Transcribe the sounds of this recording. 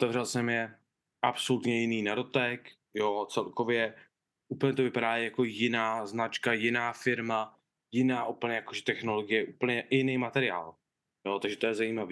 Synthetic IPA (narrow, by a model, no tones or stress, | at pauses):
ʔot̪ɛvrɛlsɛmjɛ | ʔapsolut̪ɲɛjɪniːnado̞t̪ɛk | jot͡sɛlko̞vjɛ | ʔupl̩ɲɛt̪ovɪpaɾaːjako̞jɪnaːznat͡ʃkajɪnaːfɪɾma | jɪnaːʔupl̩ɲɛjakoʒɛt̪ɛxnolo̞ɡɪjɛʔupl̩ɲɛjɪnejmat̪ɛɾɪa̰ːl | jot̪aɡʒɛt̪ojɛzajiːmaviː